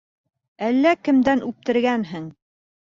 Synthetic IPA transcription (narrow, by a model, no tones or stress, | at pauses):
ælːækɘ̆md̪ænʉp̚t̪ɘ̆ɾɡænɦɘŋ